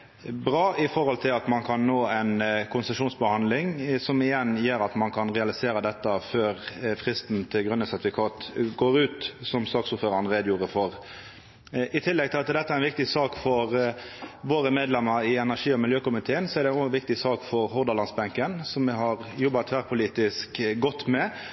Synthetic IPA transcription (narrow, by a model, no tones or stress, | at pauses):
bʁɑːɪfɔɾʁhɔlt̪ʰɪlɑt̪mɑnkʰɑnːoːɛnkʰʊnsɛʂuːnsbəhɑnd̪lɪŋsɔmɪjɛnjeːɾɑt̪mɑnkʰɑnʁɛɑlɪseːɾəd̪ɛt̪ːəføːʁfʁɪst̪nt̪ʰɪlɡɾʉnːəsæɾʁt̪ɪfɪkʰɑːt̪ɡoːɾʉːt̪sɔmsɑːksuːfføːɾəɾn̩ʁeːd̪əjuːɾəfɔʁ | ʔɪt̪ʰɪlːɛɡ̚t̪ʰɪlɑt̪d̪ɛt̪ːəæɾɛnʋɪkt̪ɪsɑːkfɔʁ | ʋoːɾəmeːd̪lɛmːəɾɪɛnæʂiːɔmɪljøːkʊmɪt̪ʰeːənsɔæɾd̪ɛnoʋɪk̚t̪ɪsɑːkfɔʁɦʊʁd̪ɑlɑnsbɛŋkənsɔmʋɪɦɑʁjɔbːɑt̪ʰʋæːʁpʰʊliːt̪ɪskɡɔt̪ːmɛ